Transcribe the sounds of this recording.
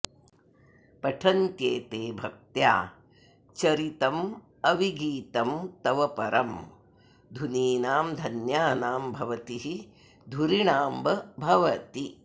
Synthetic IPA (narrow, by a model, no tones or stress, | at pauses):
pɐʈʰɐnt̪jeːt̪eːbʱɐk̚t̪ja̰ː | t͡ʃɐɾit̪ɐm | ɐʋiɡiːt̪ɐmt̪ɐʋɐpɐɾɐm | d̪ʱuniːnaːmd̪ʱɐnjaːnaːmbʱɐʋɐt̪iɦi | d̪ʱuɾiɳaːmbʱɐbʱɐʋɐt̪i